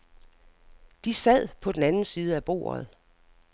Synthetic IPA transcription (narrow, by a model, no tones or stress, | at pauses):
d̥isæð̰ˠpʰɒ̽d̥enænn̩siːð̞ˠəæb̥o̝̰ːɐð̩ˠ